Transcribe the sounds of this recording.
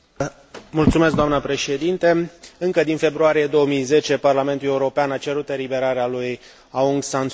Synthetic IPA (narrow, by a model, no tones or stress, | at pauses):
mult̪sumes̬kd̪oanəpɾe̞ʃe̞d̪int̪e̞ɨŋkəd̪infe̞bɾuaɾijed̪o̞wəmijze̞t͡ʃe̞parlament̪ule̞uɾo̞peanat͡ʃe̞ɾut̪e̞libe̞ɾaɾealuj | auŋɡsant̪